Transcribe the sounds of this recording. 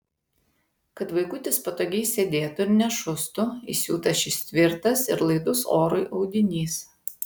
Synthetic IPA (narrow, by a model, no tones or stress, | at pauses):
kɐt̪ʋɐɪkʊt̪ʲɪspɐt̪oːɡʲɛɪsʲed̪ʲeːt̪ʊɪɾnʲɛʃʊst̪ʊḭsʲṵːt̪ɐʃʲɪʃsʲt̪ʲʋʲɪɾt̪ɐsɪ̰ɾlˠɐɪd̪ʊsoːɾʊɪʔɒʊɡ̪ʲɪnʲiːs